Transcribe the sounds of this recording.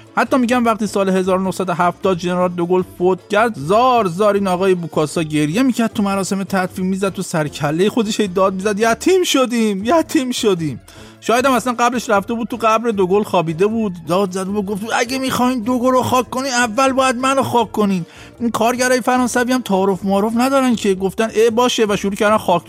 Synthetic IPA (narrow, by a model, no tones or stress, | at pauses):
hæt̪ʰːɒːmiɟæmvæχt̪iːsɒːlehe̞zɒːɾonohsæd̪oɦæft̪ɒːd̪̚ʒeneɾɒːld̪oɡolfot̪cʰæɾd̪zɒːɾzɒːɾiːnɒːɣɒːjebukʰɒsɒːɟe̞ɾjemiːcʰæɾd̪̚t̪ʰumæɾɒːse̞met̪ʰæt̪fiːmmiːzæd̪̚t̪ʰusæɾcʰælːejexo̞d̪eʃhejd̪ɒːd̪̚mizæd̪jæt̪ʰiːmʃod̪iːmjæt̪ʰiːmʃod̪iːm | ʃɒːjæd̪æmæslænɡæbleʃɾæft̪e̞bud̪̚t̪ʰuɡæbɾed̪oɡolxɒːbiːd̪e̞bud̪ːɒːd̪zæd̪ebuɡoft̪æɟemixɒːhiːnd̪oɡoloxɒːkʰːoniːnævːælbɒːjæd̪̚mænoxɒːkʰːoniːd̪ | inkʰɒːɾɟæɾɒːjefæɾɒːnsæviːæmt̪ʰɒːɾofmɒːɾofnæd̪ɒːɾæncʰe̞ɡoft̪ænebɒːʃevæʃuɾuːcʰæɾd̪ænxɒːk